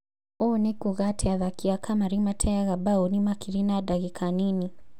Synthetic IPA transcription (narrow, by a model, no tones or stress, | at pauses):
ɔnikuɣatʰɛaðakiakʰamaɾimatʰɛaɣabaunimakiɾinadaɣikʰanini